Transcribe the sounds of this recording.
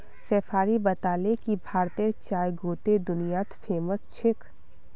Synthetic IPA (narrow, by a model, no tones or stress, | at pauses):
sɛːpʰaːɾibɐt̪aːlekibʱaːɾt̪eɾt͡ʃaːjɡʱoːt̪ed̪ʊnijaːt̪fʰeːməst͡ʃʰɪk